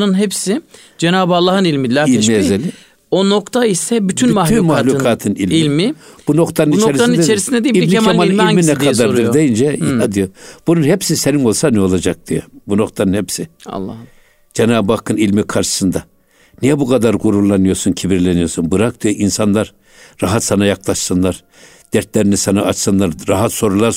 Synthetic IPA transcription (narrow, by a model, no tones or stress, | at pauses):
nɯnɦepsi | d͡ʒenaːbalˠːaɦɯnilʲmilʲailiezelʲi | ono̞kt̪ʰaisɛbyt̪ʰynmah̪lʰynmahlʲukʰaːt̪ʰɯnilʲilʲmib̥unokt̪ʰanɯnint͡ʃ̪oeɾisnnɯnieɾisind̪ɛd̪ijibnamanilminɛkʰad̪aɾd̪ɯɾd̪ejind͡ʒɛad̪ijob̥ununhepsiseniŋo̞lˠsanɛo̞lˠad͡ʒak̚d̪̥ijobuno̞kt̪ʰanɯnhɛpsḭlˠː | d͡ʒɛnaːbbakʰːɯnilʲmikʰaɾʃɯ̥sɯnd̪a | nijɛbukʰad̪aɾɡuɾulˠːanɯjo̞suncʰibiɾlʲɛnijo̞sunbɯɾak̚d̪ijoʔinsanlˠaɾ | ɾaɦat̪sanajaklˠaʃsɯnlˠaɾ | d̪̥ɛɾt̪lʲɛɾinisanaːt͡ʃsɯnlˠaɾɾaɦat̪so̞ɾulˠaɾ